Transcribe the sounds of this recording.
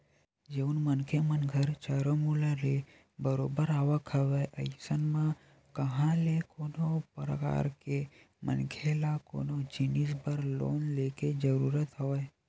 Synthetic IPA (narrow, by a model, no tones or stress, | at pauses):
d͡ʒeunmənkʰemənɡʱəɾt͡ʃaːɾomulaɾe | bəɾoːbəɾaːʋəkʰəʋeʔəjsənmã | kəɦãlekoːnopɾə̰ka̰ːɾke | mə̰nkʰelako̰ːnod͡ʒinisbəɾlo̰ːnleked͡ʒəɾuːɾət̪ɦəʋəj